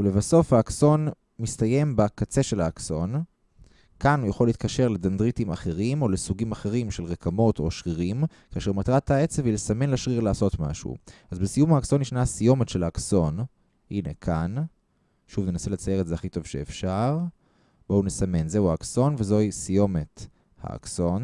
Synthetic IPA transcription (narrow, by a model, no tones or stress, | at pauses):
ule̞vaso̞fhaːkso̞n | mist̪aje̞mbakat͡se̞ʃe̞laːkso̞n | kanujaχoleit̪kaʃe̞ʁledandʁitimaχe̞ʁimo̞lesuɡimaχe̞ʁimʃe̞lʁekamo̞to̞ʃʁiʁim | kaːʃe̞ʁmatʁataet͡sevilesame̞nleʃʁiʁlaːso̞tma̰ʃṵazbesijumhaːkso̞nːiʃnasijo̞metʃelaːkso̞n | ʔine̞̰kʰan | ʃuvnenase̞le̞t͡sajeetzeaχito̞vʃḛːfʃaʁ | b̥o̞unesame̞nze̞uaːkso̞nvezo̞isijo̞me̞t | ha̰a̰kso̞n